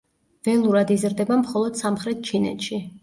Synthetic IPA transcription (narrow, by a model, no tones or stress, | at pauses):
v̥ɛlˠuɾad̪izɾd̪ɛbamχɔlˠɔd̪̥samχɾɛt̪̚t͡ʃʰinɛ̰t̪ʃi